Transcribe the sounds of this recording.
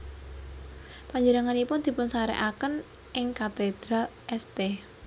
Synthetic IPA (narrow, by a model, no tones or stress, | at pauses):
paɲd͡ʒənəŋanipʊnd̪̥i̤pʊnsaɾɛ̰ʔakən | ʔɪŋkat̪ed̪̥ɾaʔɛst̪e